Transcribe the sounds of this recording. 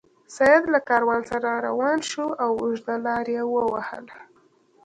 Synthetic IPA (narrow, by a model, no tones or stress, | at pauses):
sajad̪lakɑɾwɑnsaɾaɾa̰wɑnʃuawʊʒd̪alɑɾjewəwahə̰l